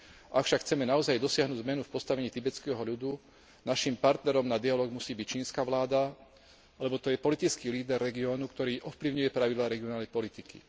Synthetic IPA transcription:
ʔakfʃakxt͡sɛmɛnaɔzajd̪ɔsɪaɦnuːɟzmɛnufpɔst̪aʋɛɲiːt̪ibɛt͡skɛɦɔʎud̪u | naʃimpaɾt̪nɛɾɔmnad̪ialɔːɡmusiːbict͡ʃiːnskaʋlaːd̪a | alɛbɔt̪ɔjɛpɔlit̪it͡skiːliːd̪ɛrːɛɡiɔːnukt̪ɔɾiːʔɔfpliʊɲujɛpɾaʋid̪laːɾɛɡiɔnaːlnɛjpɔlit̪ikḭ

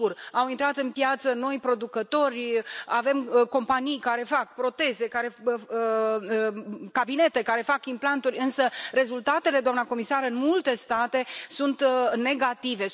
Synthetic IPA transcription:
urawint̪ɾat̪ɨnpjat̪səno̞jpɾo̞d̪ukət̪o̞rʲave̞mko̞mpanijkaɾe̞fakpɾo̞t̪e̞ze̞kaɾe̞ | kabine̞t̪e̞kaɾe̞fakimplant̪urʲɨnsəre̞zult̪at̪e̞le̞d̪oamnako̞misaɾɨnmult̪e̞st̪at̪e̞sunt̪ne̞ɡat̪ive̞

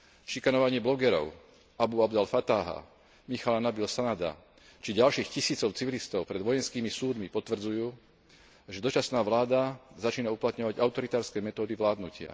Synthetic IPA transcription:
ʃikanɔʋaɲɪɛblɔɡɛɾɔ̰ʊ | abuabd̪alfat̪aːɦa̰ | mixalanabilsanad̪a̰ | t͡ʃiɟalʃiːxcisiːt͡sɔʊt͡siʋilist̪ɔʊpɾɛd̪ʋɔjɛnskiːmisuːd̪mipɔt̪ʋr̩d͡zujuː | ʒɛd̪ɔt͡ʃasnaːʋlaːd̪azat͡ʃiːnauplat̪ɲɔʋaɟaʊt̪ɔɾit̪aːɾskɛːmɛt̪ɔːd̪iʋlaːd̪nucɪa̰

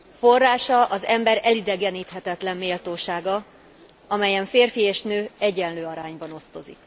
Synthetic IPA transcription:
fo̞rːaːʃɒʔɒzɛmbɛɾɛlid̪ɛɡɛniːt̪ɦɛt̪ɛt̪lɛmːeːlt̪oːʃaːɡɒ | ɒmɛjɛɱfeːrfieːʃnøːɛɟɛnløːɒɾaːɲbɒno̞st̪o̞zḭk

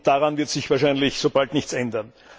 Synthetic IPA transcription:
d̥aʁanvɪɐtz̥ɪçv̥aːɐʃaɪnlɪçsob̥altnɪçt͡sɛndɐn

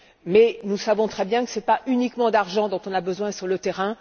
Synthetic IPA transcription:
mɛnusavɔ̃t̪χɛbjɛ̃kə̥sɛpaʔynikmɑ̃d̪aʁʒɑ̃d̪ɔ̃t̪ɔ̃nabəzwɛ̃syʁlət̪ɛʁɛ̃

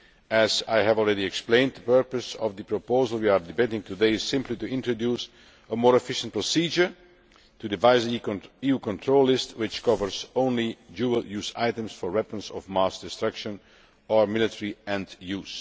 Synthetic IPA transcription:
æzaɪɦævɔlˠɹɛɾiɛksplẽɪ̃nd̪̚ðəpɜ˞pəsɔvðəpɹopoʊzəlˠwiaɹdɪbeɪtɪ̃ŋtudeɪɪz̥sɪ̃mplituɪ̃ntɹodjuːs | əmɔɹɨfɪʃə̃n̩t̚pɹɔsiːd͡ʒə˞ | tudɪvaɪzijukɔ̃ntʰɹoʊlˠːɪstwɪt͡ʃkʰʌvəɹzõʊ̃nlid͡ʒuːəlˠjuːza̰ɪtə̃msfɔɹwɛpɹə̃nsɔvmasd̥ɪstɹʌkʃə̃n | əɹmɪlˠɨtʰəɹiɛ̃ndjuːz̥

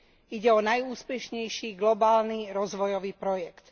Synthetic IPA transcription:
iɟɛɔnajuːspɛʃɲɛjʃiːɡlɔbaːlniɾɔzʋɔjɔʋiːpɾɔjɛkt̪

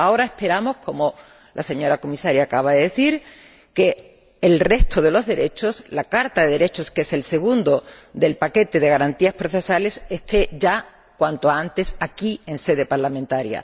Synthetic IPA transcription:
ao̞ɾae̞hpe̞ɾamo̞hko̞mo | lʔase̞ɲo̞ɾako̞misaɾjaːkaβ̞aðeðe̞θiɾ | ke̞ː | lre̞st̪oð̞e̞lo̞zðe̞ɾe̞t͡ʃo̞slakaɾt̪aðe̞ðeɾe̞t͡ʃo̞skese̞lse̞ɣ̞und̪o̞d̪e̞lpake̞t̪e̞ðe̞ɣaɾant̪iaspɾo̞θe̞sale̞se̞st̪e̞ʝa | kwant̪oant̪e̞sakie̞nse̞ðe̞paɾlamẽnt̪aɾja̰

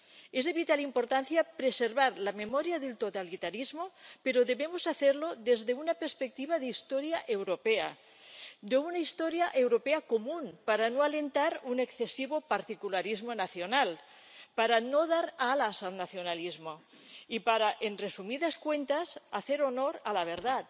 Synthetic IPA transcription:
ezðeβit̪alimpoɾt̪anθjapɾeseɾβaɾlamemoɾjaðelt̪ot̪alit̪aɾizmopeɾoðeβemozaθeɾloðezðeunapeɾspek̚t̪iβaðeist̪oɾjaʔewɾopea̰ | d̪eunaist̪oɾjaʔewɾopeakomunpaɾanoalent̪aɾunekθesiβopaɾt̪ikulaɾizmonaθjonal | paɾanoðaɾalasalnaθjonalizmo | ipaɾaʔenresumiðaskwent̪azaθeɾonoɾalaβ̞eɾðat̪

